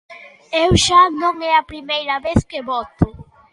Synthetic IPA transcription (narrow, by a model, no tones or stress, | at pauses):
ewʃanõŋɛɐpɾimejɾɐβeskeβɔt̪ʊ